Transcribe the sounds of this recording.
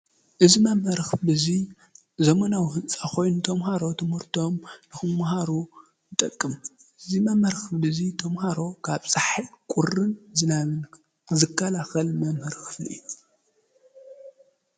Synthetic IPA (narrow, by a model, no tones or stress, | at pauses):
ʔɨzimɐmhɨɾxɨlɨzi | zɐmanawɦɨnt͡sʼaxo̞jnut̪ʰɐmɦaɾo̞t̪ʰɨmhɨɾt̪ʰo̞mnɨxɨmmaɦaɾu | nɨt̪ʼɐkʼːɨm | ɨzimɐmhɐɾxɨflɨzit̪ʰɐmhaɾo̞kʰaβsʼaħikʼurɨnzɨnaβɨn | zɨkʰːalaxɐlmɐmhɨɾxɨ̥flḭɨ̰jːu